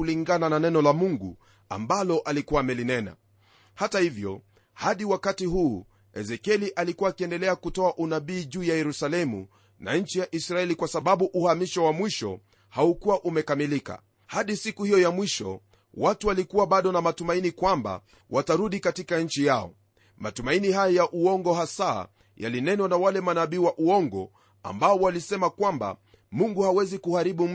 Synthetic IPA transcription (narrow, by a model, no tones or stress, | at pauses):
uliŋɡanananɛnɔlamuŋɡṵ | a̰mbalɔʔalikuwaːmɛlinɛna̰ | hatahivjɔ̰ | haɗiwakatiɦuː | ɛzɛkɛliʔalikuwaːkiɛndɛlɛakutɔaʔunaɓiːʄuːjajɛɾusalɛmṵ | na̰ɲ̩t͡ʃijaʔisɾaɛlikwasaɓaɓuʔuhamiʃɔwamwiʃɔ̰ | haukuwaʔumɛkamilika̰ | haɗisikuhijɔjamwiʃɔ̰ | watuwalikuwaɓaɗɔnamatumainikwamba̰ | wʔataɾuɗikatikaɲ̩t͡ʃijaɔ̰ | ma̰tumainiɦajɔjaʔuɔŋɡɔɦasa̰ | ja̰linɛnwanawalɛmanaɓiːwaʔuɔŋɡɔ̰ | a̰mbaɔwalisɛmakwamba̰ | muŋɡuhawɛzikuhaɾiɓum̩